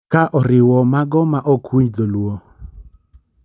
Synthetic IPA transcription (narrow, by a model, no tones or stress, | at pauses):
kaʔɔɾɪwɔmaɡɔmaʔɔkwiɲd̪olwo